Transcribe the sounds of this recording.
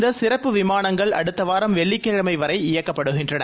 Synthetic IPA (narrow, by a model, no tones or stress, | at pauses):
d̪ɐsɪɾɐpːɯʋɪmaːnɐŋɡɐɭɐ̰ɽɯt̪ːɐʋaːɾɐmʋɛɭːɪkːeːɻɐmɐɪʋɐɾɐɪɪjɐkːɐpːɐɽɯɣɪndrɐɳɐ